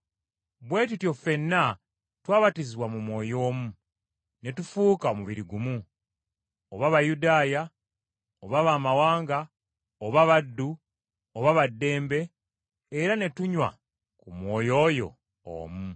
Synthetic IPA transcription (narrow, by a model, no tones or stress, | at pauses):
βwe̞ːtutjo̞fe̞nːa | twaːβatiziβwamumwo̞ːjo̞ːmu | ne̞tufuːkaomuβiɾiɡumu | oβaβajudaːja | oβaβaːmawaːŋɡa | oβaβadːu | oβaβadːe̞ːmbe̞ː | ɾane̞tuɲwa̰ | kumwo̞ːjo̞ːjo̞̰ | o̰ːmu